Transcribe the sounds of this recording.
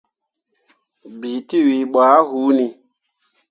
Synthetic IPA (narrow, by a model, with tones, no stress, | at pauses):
bi˨ti˦wi˨ɓa˨˦ɦu˨˦ni˨